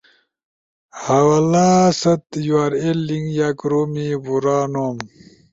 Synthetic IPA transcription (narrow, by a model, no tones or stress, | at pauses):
hawalaːsɐt̪juaːɾelːiŋɡjaːkɾomibuɾaːnoːm